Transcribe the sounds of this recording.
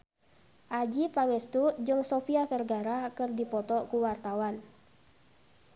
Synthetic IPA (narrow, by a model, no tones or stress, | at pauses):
ʔad͡ʒipaŋɛst̪ud͡ʒɨŋsofiafɛrɡaɾakɨrdipɔt̪ɔkuwart̪awan